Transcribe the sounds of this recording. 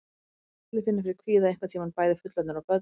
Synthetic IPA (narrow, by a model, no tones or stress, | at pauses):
lɪfɪnːɪfɪɾɪɾkʰviːðaɛjŋkvat̪ʰiːmanpaːjðɪfʏt̪lat̪nɾawpœ